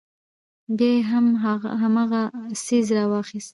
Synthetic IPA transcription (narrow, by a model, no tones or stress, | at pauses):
bjɑjeɦamɦamɑɣasizɾɑwɑxist̪